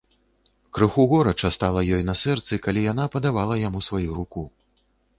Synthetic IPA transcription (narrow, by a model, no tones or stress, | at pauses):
kɾɨxuɣɔɾɐt͡ʂɐst̪alˠɐjɔjnɐsɛrt̪sɨkalʲijanapɐd̪avalˠɐjamusvajuɾuku